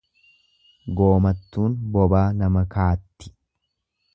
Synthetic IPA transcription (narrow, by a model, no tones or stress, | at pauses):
ɡo̞ːmɐt̪ːuːnbɔbaːnɐmɐkaːt̪ːɪ̥